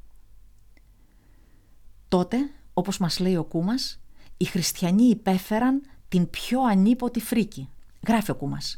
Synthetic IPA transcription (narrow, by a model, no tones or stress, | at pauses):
t̪o̞t̪e̞o̞po̞zmɐzle̞io̞kumɐsixɾist̪çɐɲiːpe̞fe̞ɾɐnt̪impço̞ɐnipo̞t̪ifɾici | ɣɾɐfio̞kumɐ̰s